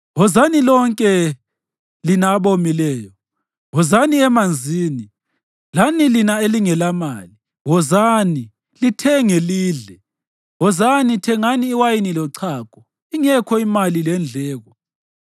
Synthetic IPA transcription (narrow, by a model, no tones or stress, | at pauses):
ɦɔzanilɔŋkʼɛ | linaːβomilɛːjɔ | ɦɔzaniɛmand͡zʱiːni | lanilinaeliŋɛlamali | ɣɔzani | litʰɛŋeliːɮɛ | ɣɔzanitʰɛŋaniːwajinilɔǀʰaːkʼɔ | iŋɛkʰɔimalilɛnd͡ɮʱɛːɣɔ